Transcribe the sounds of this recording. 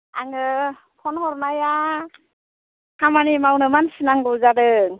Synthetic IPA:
aŋɯ | pʰɔnhɔɾnaja | hamanimawnɯmansinaŋɡɯzaɾɯŋ

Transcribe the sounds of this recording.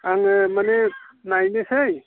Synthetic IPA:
aŋmanenajnesaj

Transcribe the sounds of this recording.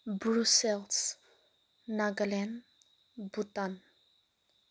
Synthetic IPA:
bɾusɛls | naɡəlɛn | but̪an

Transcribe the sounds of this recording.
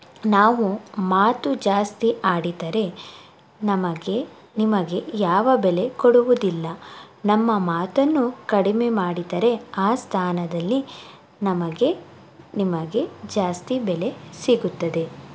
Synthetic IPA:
naːʋumaːt̪ud͡ʒaːst̪iʔaːɽid̪ɐɾe̞ | nɐmɐɡe̞ | nimɐɡe̞jaːʋɐbele̞koɽuʋud̪ilːɐnɐmːɐmaːt̪ɐnːukɐɽime̞maːɽid̪ɐɾe̞aːst̪ʰaːnɐd̪ɐlːi | nɐmɐɡe̞ | nimɐɡe̞d͡ʒaːst̪ibɛle̞siɡut̪ːɐd̪e̞

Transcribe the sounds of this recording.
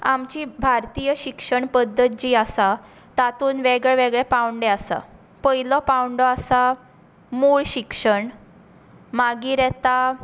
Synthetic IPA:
a̰mt͡ɕiːbʱaɾt̪iːjəɕikʂəɳpəd̪ʱːət̪̚d͡ʑiːasa | t̪at̪uːnʋeɡɭɛʋeɡɭɛpawɳɖeasa̰ | pəilɔpawɳɖɔasa | moɭɕikʂəɳ | maɡiːɾɛt̪a

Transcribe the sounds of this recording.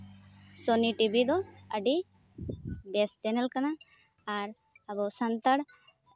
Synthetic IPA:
sɔniʈibid̪ɔəɖi | bɛst͡ʃɛnɛlkanaː | ɾ | abɔsant̪aɽ

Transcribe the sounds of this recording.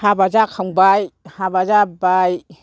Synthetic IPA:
habad͡ʒakʰaŋbajhabazabaj

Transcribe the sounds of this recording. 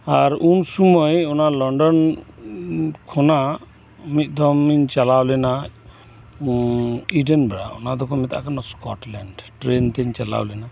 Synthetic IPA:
aɾunsumɔjɔnalɔɳɖɔn | kʰɔna | mit̪̚ˀd̪ɔmiɲt͡ʃalawlɛna | iɖenbɛɽa̰ɔ̰nad̪ɔkʰɔmɛt̪a̰kanɔskɔʈlɛɳɖʈɾent̪ɛɲt͡ʃala̰wlɛna

